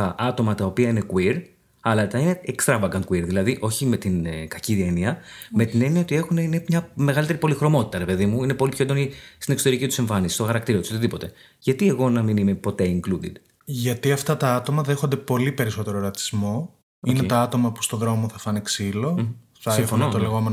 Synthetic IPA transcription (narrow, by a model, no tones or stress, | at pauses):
ɐʔɐt̪o̞mɐt̪ɐopiɐine̞kwiɾ | ɐlɐt̪ɐine̞ekst̪ɾɐvɐɡɐŋkwiɾðilɐðiʔo̞çime̞t̪inkɐciðeniɐme̞t̪ine̞niɐot̪ie̞xuneinemɲɐme̞ɣɐlit̪eɾipo̞lixɾo̞mo̞t̪i̥t̪ɐɾe̞pe̞ðimuine̞po̞lipçoend̪o̞nist̪inekso̞t̪eɾicit̪use̞ɱfɐnisist̪o̞xɐɾɐkt̪iɾɐt̪uso̞t̪iðipo̞t̪e̞ | ʝɐt̪ieɣo̞nɐminime̞po̞t̪e̞iŋklud̪ḭd̪ | ʝɐt̪iɐft̪ɐt̪ɐɐt̪o̞mɐðe̞xond̪e̞po̞lipe̞ɾiso̞t̪e̞ɾo̞ɾɐt̪i̥zmo̞ | oineet̪ɐɐt̪o̞mɐpu̥st̪o̞ðɾo̞moθɐfɐniksilo̞ | ɐsifonot̪oleɣo̞men